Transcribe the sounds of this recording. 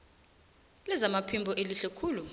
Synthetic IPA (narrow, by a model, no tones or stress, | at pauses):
lɛzamapʰimbʱɔʔeliɬɛkʰuːlu